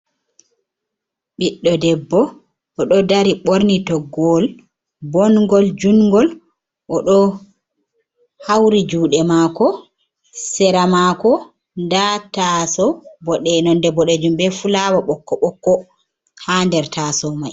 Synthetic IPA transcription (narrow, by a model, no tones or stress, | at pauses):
ɓiɗːɔdɛbːɔ | ʔɔɗɔdaɾiɓoɾnitɔɡɔl | bɔnɡɔld͡ʒunɡɔl | ʔɔɗɔ | hawɾid͡ʒuːɗɛmakɔ | sɛɾamaːkɔ | ndatasɔbɔɗɛnɔndɛbɔɗɛd͡ʒumbɛfulawaɓɔkːɔɓɔkːɔ | handɛɾtʰasɔmaj